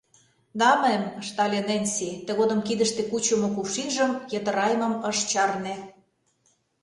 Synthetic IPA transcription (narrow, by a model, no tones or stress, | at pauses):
d̪ɑmemʃt̪ɑlʲenenʲsit̪ĕɣod̪əmkid̪ə̆ʃt̪ekut͡ɕə̆mŏkuʃiʒə̆mjə̆t̪ə̆ɾɑjəmə̆məʃt͡ɕɑrne